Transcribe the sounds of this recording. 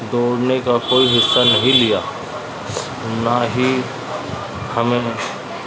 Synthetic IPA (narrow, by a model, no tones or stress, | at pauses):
d̪oːɽnekakoːiɦɪsːanɐɦĩlɪjaː | naɦi | hɐmẽ